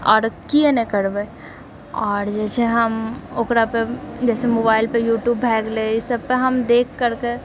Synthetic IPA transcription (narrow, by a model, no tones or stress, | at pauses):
ɔ̰ːɾkienekəɾbe | ɔːɾd͡ʒɛːsʰeɦəmokɾaped͡ʒɛːsemobaːɪlpejuːʈjuːbːʱɛːɡleɪsəb̚peɦəmd̪eːkʰːəɾke